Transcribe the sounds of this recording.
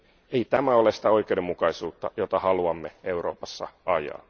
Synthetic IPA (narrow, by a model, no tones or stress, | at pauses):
e̞it̪æmæo̞lesi̥t̪æo̞ijkˑe̞udemːukɑisuːt̪ːɑjot̪ɑhɑluɑmːee̞uɾo̞̰ːpɑsːɑ̰ɑjɑ̰ː